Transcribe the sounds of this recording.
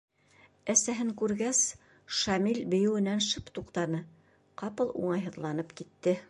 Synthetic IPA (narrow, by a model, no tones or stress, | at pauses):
æsæɦɘŋkʉɾɡæs | ʃɑmilbɘ̆jɘ̆wɘ̆nænʃɤpt̪uqt̪ɑnɤ | qɑpɤlˠṵɴɑjɦɤ̆ðlˠɑnɤpkit̪ːɘ